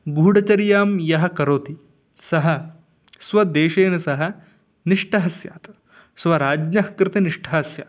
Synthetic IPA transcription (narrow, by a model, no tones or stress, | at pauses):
ɡuːɖɐt͡ʃɐɾjaːmjɐɦɐ̆kɐɾoːt̪i | sɐɦɐ̆ | sʋɐd̪eːʃeːnɐsɐɦɐ̆ | niʂʈʰɐɦɐsja̰ːt̪ɐ | sʋɐɾaːd͡ʒɲɐɦɐkɾɪt̪eniʂʈʰɐɦɐsjɐ̰